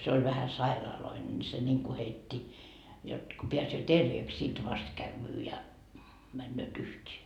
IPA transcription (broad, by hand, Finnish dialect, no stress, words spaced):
se olʲ ʋæhæ sɑirɑːloine ni se nʲiŋku heitːi jot ko peæsøː terʋeːks sit ʋɑst kæʋːyː jɑ mænːøːt yhtʲeː